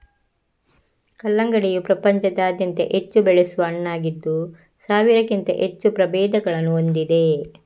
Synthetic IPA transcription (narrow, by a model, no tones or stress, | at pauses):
kɐlːɐŋɡɐɽijupɾɐpɐɲt͡ʃɐd̪aːd̪jɐnt̪ḛʔet͡ʃːubɛɭesuʋɐɐɳːaːɡid̪ːu | saːʋiɾɐkint̪ɐ̰ʔet͡ʃːupɾɐbɛːd̪ɐɡɐɭɐnːuond̪id̪e̞